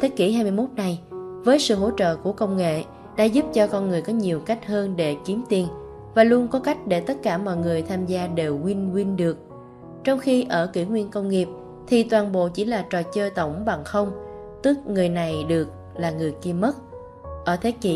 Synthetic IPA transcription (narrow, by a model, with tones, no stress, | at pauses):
t̪ʰe˨˦kḭ˧˩ɦaː˧jmɨ˧jmo˦˥t̚na˨˩jvəː˨˦jsɨ̰˧˨ɦo̰˧˥t͡ɕə̰ː˧˨ku˧˩əkə˧wŋ͡mŋḛ˧˨ | ɗa̰ː˧˥zu˦˥p̚t͡ɕɔ˧kɔ˧nŋɨ˨˩əjkɔ˨˦ɲi˨˩əwka˦˥jk̟̚həː˧nɗe˧˩ki˨˦mt̪i˨˩n | vaː˨˩lu˧ənkɔ˨˦ka˦˥jk̟̚ɗe˧˩t̪ə˦˥t̚kaː˧˩mɔ̰˧˨jŋɨ˨˩əjt̪ʰaː˧mzaː˧ɗe˨˩wŋwi˧nŋwi˧nɗɨ˨˩ək̚ | t͡ɕɔ˧wŋ͡mxi˧ʔəː˧˩kḭ˧˩ŋwi˧ənkə˧wŋ͡mŋi˨˩əp̚ | t̪ʰi˨˩t̪waː˨˩nɓo̰˧˨t͡ɕi˧˩laː˨˩t͡ɕɔ˨˩t͡ɕəː˧jt̪ə˧˩wŋ͡mɓa˨˩ŋxə˧wŋ͡m | t̪ɨ˦˥k̚ŋɨ˨˩əjna˨˩jɗɨ˨˩ək̚ | laː˨˩ŋɨ˨˩əjki˧mə˦˥t̚ | ʔəː˧˩t̪ʰe˨˦kḭ˧˩˦